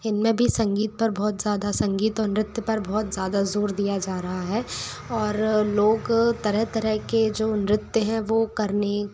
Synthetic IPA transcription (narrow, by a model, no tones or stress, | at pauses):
ɪnmẽbʱisɐ̃ŋɡiːt̪̚pɐɾbɔːt̪zjaːd̪asɐ̃ŋɡiːt̪ɔːɾnɪɾɪt̪jəpɐɾbɔːt̪zjaːd̪azoːɾd̪ijad͡ʒaːɾɐɦaɦɛː | ɔːɾloːɡt̪ɐɾəɦt̪ɐɾəɦked͡ʒoːnɾɪt̪jəɦɛ̃ʋoːkɐɾne